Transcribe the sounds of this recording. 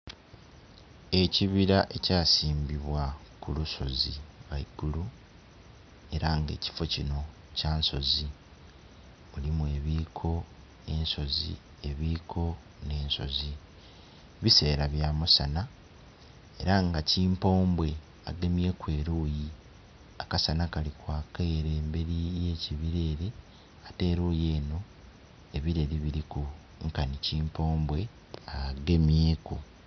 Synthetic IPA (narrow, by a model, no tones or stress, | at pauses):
e̞ciβiɾaʔe̞caːsiːmbiβwakuluso̞ziβaiɡulu | e̞ɾaŋɡe̞̰ːci̥fo̞cino̞ | caːnso̞zi | βulimuwe̞ːβiːkʰo̞ | ne̞ːnso̞zḭ | e̞βiːkʰo̞ | ne̞ːnso̞̰zi | βise̞ːɾaβjamusana | e̞ɾaŋɡaciːmpo̞ːmbwe̞ | a̰ɡe̞mje̞ːkwe̞ːɾuːji | akasanakalikwaːkeːɾeːmbe̞ɾijeːciβiɾe̞ːɾe̞ | ate̞ːɾuːje̞ːno̞ | e̞βiɾe̞ɾiβiɾiku | ŋkaniciːmpo̞ːmbwe̞ | aɡe̞mjeːku